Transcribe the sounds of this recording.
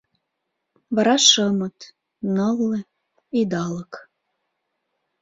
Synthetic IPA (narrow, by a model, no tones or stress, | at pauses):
βɑɾɑʃəmət̪ | nəlːe | id̪ɑlək